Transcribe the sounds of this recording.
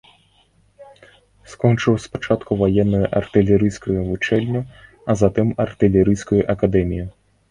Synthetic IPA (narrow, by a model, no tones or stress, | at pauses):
skɔnt͡ʂɨwspat͡ʂat̪kuvajɛnːɐjuʔɐrt̪ɨlʲɛɾɨjskujuvut͡ʂɛlʲnʲu | ɐzat̪ɨmɐrt̪ɨlʲɛɾɨjskujuʔɐkad̪ɛmʲiju